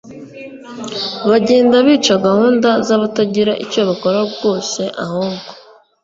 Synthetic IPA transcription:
βaɟe̞ːndaβiːt͡ʃaɡahuːndazaβataɟiɾaʔicoβako̞ɾabɡo̞ːse̞ʔahoŋɡo̥

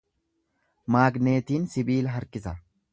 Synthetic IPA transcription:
maːɡne̞ːt̪iːnsɪbiːlɐɦɐɾkɪsɐ

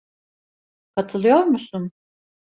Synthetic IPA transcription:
kʰat̪ʰɯlˠɯjoɾmusun

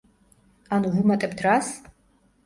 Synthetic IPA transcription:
anuʁumɐtʼɐptʰraːs

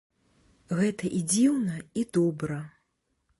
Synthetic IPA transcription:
ɣɛt̪ɐʔid͡zʲiwnɐid̪ɔbɾɐ

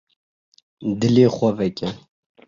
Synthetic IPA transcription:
d̪ɪleːxʷɐvɛkʲɛ

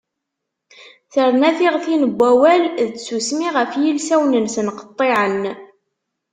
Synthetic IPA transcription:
θəɾnæθiʁθinəbʷːæwælðət͡ssusmiʁəfjilsæwnənsənqə̥t̪ˤːeʕən

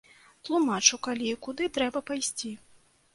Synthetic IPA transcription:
t̪lˠumat͡ʂukalʲikud̪ɨt̪ɾɛbɐpajsʲt͡sʲi

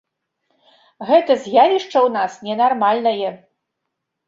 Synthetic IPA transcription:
ɣɛt̪ɐzʲjavʲiʂt͡ʂɐwnasnʲɛnarmalʲnɐjɛ

